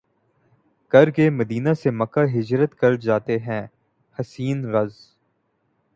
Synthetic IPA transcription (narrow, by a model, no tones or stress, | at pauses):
kɐɾkemɐd̪iːnasemɐkaɦɪd͡ʒɾət̪kɐɾd͡ʒaːt̪eɦɛ̃ː | hɐsiːnɾɐz